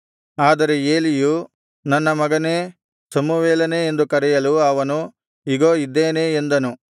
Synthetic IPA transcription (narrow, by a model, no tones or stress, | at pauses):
aːd̪ɐɾe̞eːliju | nɐnːɐmɐɡɐne̞ː | sɐmuʋeːlɐneːnd̪ukɐɾɛjɐluɐʋɐnu | iɡoːid̪ːeːneːnd̪ɐnu